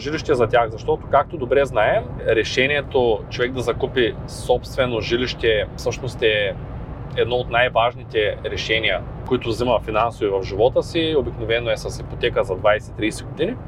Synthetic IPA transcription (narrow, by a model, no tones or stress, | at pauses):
ʒiliʃt̪ɛzɐt̪ʲjaxzɐʃt̪ɔt̪o̥kak̚t̪od̪obɾɛznaɛm | ɾɛʃɛniɛt̪ot͡ʃovɛɡ̚d̪ɐzɐkupi | sɔpst̪vɛnoʒiliʃt̪ɛfsɤʃnost̪ɛ | ɛd̪̚nɔot̪najvaʒnit̪ɛɾɛʃɛnijɐ | koit̪ʊvzimɐfinansovivɐfʒivɔt̪əsiobiknovɛnoɛsɐsxipot̪ɛkəzɐd̪vajsɛt̪ːɾijːsɛɡod̪ini